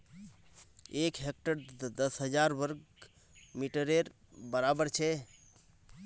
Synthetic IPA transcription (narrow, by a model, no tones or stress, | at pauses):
ekɦek̚ʈəɾd̪əsɦəd͡ʒaɾbəɾɡ | miʈəɾeɾ | bəɾabəɾt͡ʃʰɛ